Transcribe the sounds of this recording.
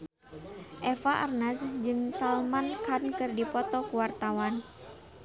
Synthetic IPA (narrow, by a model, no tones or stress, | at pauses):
ʔɛfaʔa̰rnasd͡ʒɨŋsalmankankɨrdipɔt̪ɔkuwart̪awan